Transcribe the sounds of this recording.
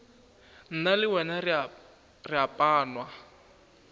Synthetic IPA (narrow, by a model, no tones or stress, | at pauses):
n̩nalɪwɛna | riapʼaːnwa